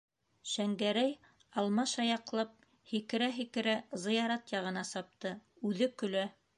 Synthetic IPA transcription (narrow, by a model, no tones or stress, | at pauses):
ʃæŋɡæɾæj | ɑlˠmɑʃɑjɑqlˠɑp̚ | hikɘ̆ɾæɦikɘ̆ɾæzɤ̆jɑɾɑt̪jɑʁɤ̆nɑsɑp̚t̪ɤ | ʉðɘkɵ̆læ